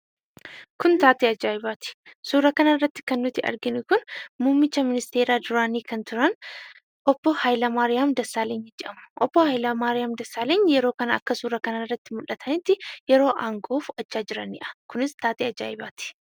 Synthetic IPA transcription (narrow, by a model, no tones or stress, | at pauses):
kʊnt̪aːt̪iɐd͡ʒaːɪbaːt̪ɪ̥suːɾɐkɐnɐrːɐt̪ːɪ̥kɐnːʊt̪ːɪɐ̰ɾɡɪnʊkʊnmuːmːɪt͡ʃːɐmɪnɪst̪e̞ːɾaːd̪ʊɾaːniːkɐnt̪ʊɾɐn | ʔɔb̥ːɔhɐjlɐmaːɾɪjaːmd̪ɐsːaːleːɲɪd͡ʒɛʔɐmʊ̥ʔɔb̥ːɔhɐjlɐmaːɾɪjaːmd̪ɐsːaːleːɲːjɛɾo̞ːkɐnɐɐ̰kːɐsuːɾɐkɐnɐrːɐt̪ːɪmʊlɐt̪ʰɐnɪt̪ːɪjɛɾo̞ːʔaːŋɡoːfɐt͡ʃːaːd͡ʒɪɾɐnːɪ̰ʔɐ̥kʊnɪst̪aːt̪iːɐd͡ʒa̰ːɪba̰ːt̪ɪ̥